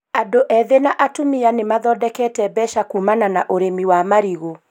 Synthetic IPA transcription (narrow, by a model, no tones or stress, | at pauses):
adoʔɛðenaʔatomianemaðɔːdɛkɛtɛbɛʃakuːmananaʔoɾemiwamaɾiɣo